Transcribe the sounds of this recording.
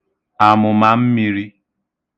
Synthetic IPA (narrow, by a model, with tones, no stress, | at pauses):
a˨mʊ˨ma˨m̩˦mi˨ɾi˦